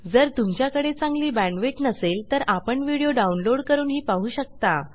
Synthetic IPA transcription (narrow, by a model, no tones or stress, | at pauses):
d͡zəɾt̪umt͡ɕjakəɽet͡sãŋɡliːbæ̃ɳɖʋet͡ɕnəselt̪əɾapəɳʋiɽijoɖaunloɽkəɾuːnɦiːpaɦuːɕək̚t̪a